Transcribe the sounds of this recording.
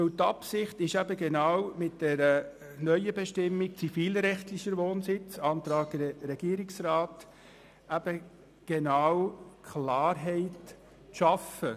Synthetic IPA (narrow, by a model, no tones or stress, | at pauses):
ʋœwt̪ːɑpsɪχtɪʃæbəɡenawmɪt̚d̥ɛɾə | nœʏəbɛʃtɪmːik̚t͡sifiːlɾɛχtlɪʃəɾʋoːnsɪt͡sɑnt̪ɾɑːɡɾɛɡ̥iːɾɪksɾaːt | æb̥ə | ɡ̥enɑwkʰlɑːɾɦɛɪt | ʃɑfə